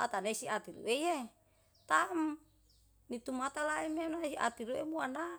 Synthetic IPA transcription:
ʔa̰t̪anesiat̪iɾṵʔeje | t̪am | nit̪umat̪alaimenasiʔa̰t̪iɾuemuanda

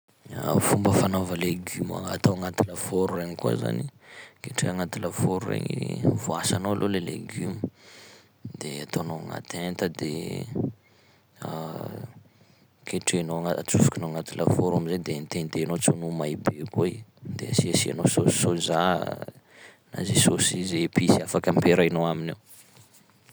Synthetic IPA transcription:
afumbəfanovəleɡyma̰at̪oaŋat̪iləfoɾureɲikua̰za̰nikeʈ͡ʂeaŋat̪iləfoɾurḛɲivoasanoalʔolelḛɡymə | d̪eat̪onoaŋa̰t̪ent̪əd̪e | kʰeʈ͡ʂenoaŋat͡sufu̥kʲinoŋat̪ilʔafoɾaminzed̪enit̪ent̪enot͡sonumaibekoid̪ḛasiasia̰nososoza | na̰zesosizepisiafakəmpeɾainowaminew

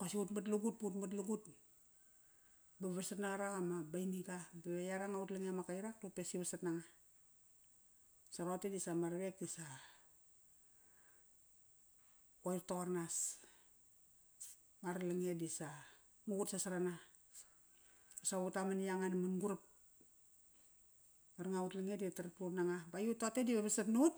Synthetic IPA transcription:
pasiutmat̬luɡut̚pautmat̬luɡut | baβasatnaŋaɾakamabajniɡabaβejaɾaŋautlaŋeamakajɾak̚topesiβasatnaŋa | saɾotedisamaɾβek̚disa | ojrtoaɾnas | maɾlaŋedisa | mukutsasaɾana | asautamanjaŋanamanɡuɾap̚ | maɾŋautlaŋeditaɾatutnaŋabajutotediβeβasatnut̚

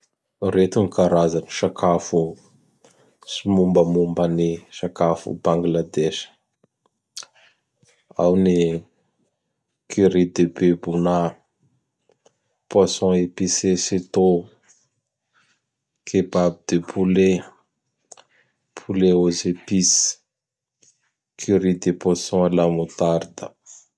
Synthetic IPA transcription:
ret̪unikaɾazaniʃakʰafu | simumbəmumbaniʃakafṵbãŋɡlad̪eʃ | a̰wni | kʰiɾid̪ebebuna | pwasɔ̃episeset̪o | kʰebabid̪̥epʰule | pʰuleozepis | kʰyɾid̪epwasɔ̃alamut̪aɾd̪ə

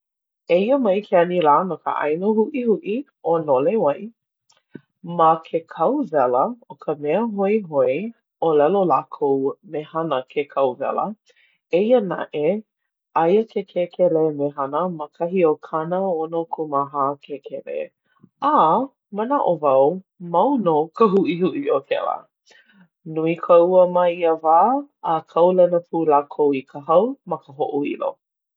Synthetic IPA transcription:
eiəmɐjkʰeɐniɾaːnokə̰ʔa̰jnohuʔihuʔi | onolewɐj | məkʰekʰɐwvɛləokʰəmɛəɦoiɦoi | olɛlolakʰowmehɐnəkʰekʰɐwvɛ̰lə̰ | eiəna̰ʔe | ʔɐjəkʰekʰekʰɛlemeɦɐnəməkʰɐɦiokʰanəonokʰumaɦaːkʰekʰɛlḛ | a | mənaʔovɐw | mɐwnokəɦuʔihuʔiokʰɛ̰lə̰ | nuikʰəuəmɐiəvaːəkʰɐwlɐnəpʰulaːkʰowikʰəɦɐwmɐkəɦoʔuḭlo̰

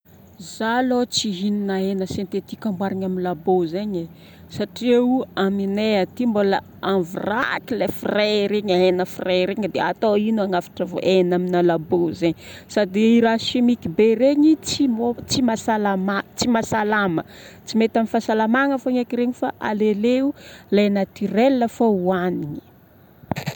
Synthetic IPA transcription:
zalot͡siɦininaenəsent̪et̪ikʲambwaɾaɲaminlabozeɲe | saʈ͡ʂieuamineat̪imbolə̰ | avurakilefireɾeɲaenəfireɾeɲəd̪ea̰t̪oinuaŋafḁʈ͡ʂəvo̰ʔenaminalabozeɲsad̪iiɾaʃimikibeɾeɲit͡simot͡simasalamat͡simasalamə̰ | t͡simet̪amifasalamaŋəfoɲakiɾeɲifa̰ʔa̰leleulajnat̪irelːəfouaniɲi̥

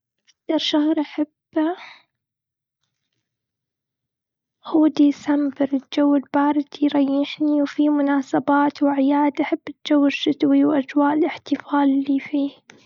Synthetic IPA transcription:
ʔak̚t̪ɑɾˤʃahɾˤʔaħab | huːd̪isambɪɾɪd͡ʒawːɪlbɑːɾˤɪd̪iɾˤɑjːɪħniwfimʊnaːsabaːt̪wɪʕɪjaːd̪ʔaħabːɪd͡ʒawːɪʃːʊt̪wiwʔad͡ʒwaːʔɪlɪħt̪ɪfaːlɪliːfiː

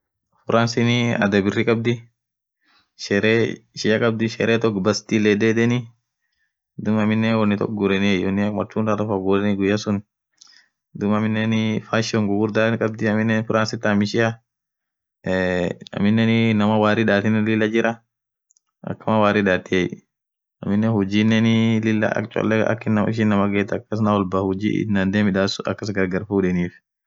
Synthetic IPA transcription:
fʊɾʔansɪnɪɐ̰d̪ɐbɪrːɪkʼɐb̚d̪ɪ | ʃɛɾeʃɪɐkʼɐbd̪ɪʃɛɾʔɛt̪ɔkbɐst̪ilɛd̪eːd̪ɛnɪ | d̪ʊmɐmɪnːɛnwɔnːɪt̪ɔ̰kɡʊɾɛnɪɛjɔnːɪɐkmɐt͡ʃːuːnd̪ɐɾɐfɐɡuɾɛnɪɡʊjɐsʊn | d̪ʊmɐmɪnːɛnɪfaːʃɔŋɡʊɡʊɾd̪aːnkʼɐb̚d̪ɪɐmɪnːɛnfʊɾʔaːnsɪt̪ːamɪʃɪjɐ | ɐ̰mɪnːɛnnɐmɐwaːɾɪᶑaːt̪ɪnːɛnlɪlːɐd͡ʒɪɾʔɐ | ʔɐ̰kːɐmɐwaːɾɪᶑaːt̪ːɪɛj | ɐ̰mɪnːɛhʊd͡ʒiːnːɛnɪlɪlːɐ̰ɐ̰kt͡ʃʼɔ̰lːɛɐ̰kːɪnːɐmɪʃ̬ɪnːɐmɐɡeːt̪ɐkːɐs̬nawɔlbɐhʊd͡ʒḭːɪ̰nːand̪eːmɪᶑaːsʊɐ̰kːɐs̬ɡɐɾɡɐɾfuːᶑɛniːf

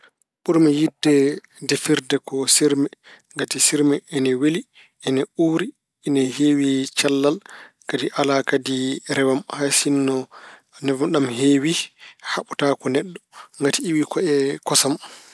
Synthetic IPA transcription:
ɓuɾmɛjidːɛ | defiɾdɛkɔsiɾmɛŋɡatisiɾmɛʔɛnɛweli | ʔɛnɛuːɾi | ɛnɛheːwit͡ʃalːal | kadiʔalakadiɾɛwamhasinːɔ | nɛvɗamɦeːwihaɓutakɔnɛɗːɔŋɡatiiwikɔɛkɔsam

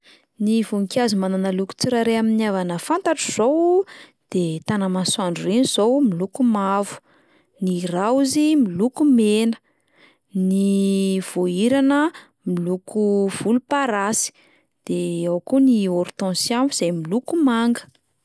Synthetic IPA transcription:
nivuŋkʲiazumananəluku̥t͡siɾaɾeaminiavanəfant̪aʈ͡ʂuz̥owd̪̥et̪anamanswaɳɖ͡ʐureniz̥owmilukumavu̥ | nirauzimilukumenə̥ | niv̥oiɾanə | milukʰuv̥ulupaɾasi̥ | d̪̥eawkunioɾt̪ɔ̃siambuz̥ajmilukumaŋɡə̥

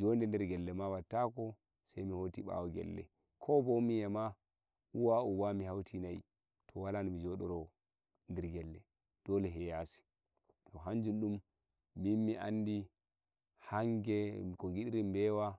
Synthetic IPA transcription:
d͡ʒɔndɛndɛɾɡɛlːɛmawatːakɔ | sajmihotiɓa̰wɔɡɛ̰lːɛ̰ | kʰɔbomijɛma | uwaubamihawtʰinai | tʰɔwalanmid͡ʒɔɗɔɾɔ | ndɛɾɡɛlːɛ | d̥ɔlɛɦɛjasi̥ | tɔɦand͡ʒunɗumː | inmiʔandi | haŋɡɛkɔɡiɗiɾimbɛwa

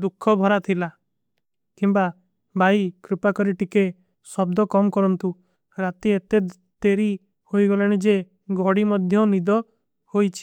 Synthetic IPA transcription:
d̪ukʰːɔbʱɔɾat̪ʰila | kimba | bʱajkɾipakɔɾiʈike | sɔb̚d̪ɔkɔmɔkɔɾɔnt̪u | ɾat̪iet̪e | t̪eɾi | hojɡɔlaɽ̃id͡ʒe | ɡʱɔɽimɔd̪ʱjɔnid̪ɔ | hojt͡ʃʰi̥

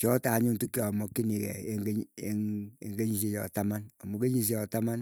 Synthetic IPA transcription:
t͡ʃɔtaɲuntukjɔɔmɔkːinikɛ̰eŋɡeeŋḛŋɡeɲis̬ijɔ̰tamanɔmukeɲis̬ijɔtaman

